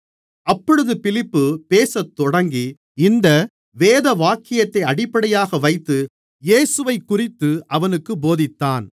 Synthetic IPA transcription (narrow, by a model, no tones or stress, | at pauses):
ɐpːɔɽɯðɯpɪlɪpːɯpeːsɐt̪ːɔɽɐŋɡi | ɪnd̪ɐ | ʋeːðɐʋaːkɪjɐt̪ːɐɪɐɽɪpːɐɽɐjaːɣɐʋɐɪt̪ːɯ | jeːsɯʋɐɪkːʊrɪt̪ːɯʔɐʋɐnɯkːɯboːðɪt̪ːaːn